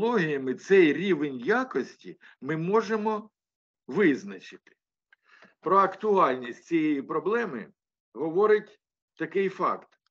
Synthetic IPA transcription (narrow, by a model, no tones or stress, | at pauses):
lˠɔɦʲijɐmɪt̪sɛjɾʲiʋenʲjakɔsʲtʲi | mɪmɔʒemɔ | ʋɪznɐt͡ʃɪt̪ɪ̥ | pɾɔɐkt̪ʊɑlʲnʲisʲtʲt͡sʲijɛjipɾɔblˠɛmɪ̰ | ɦɔʋɔɾɪtʲ | t̪ːɐkɪjfɑ̰kt̪